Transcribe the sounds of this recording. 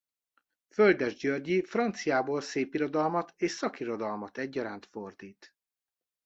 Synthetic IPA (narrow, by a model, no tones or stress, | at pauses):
føld̪ɛʒɟørɟifrɒnt̪sijaːboːlseːpiɾo̞d̪ɒlmɒt̪eːʃsɒkiɾo̞d̪ɒlmɒt̪ɛɟːɒɾaːnt̪fo̞rd̪iːt̪